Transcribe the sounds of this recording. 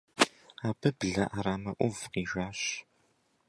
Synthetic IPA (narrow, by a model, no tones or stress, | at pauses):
aːbɨbɮɐʔaɾaːmɐʔʷʊvqiːʒʷaːɕ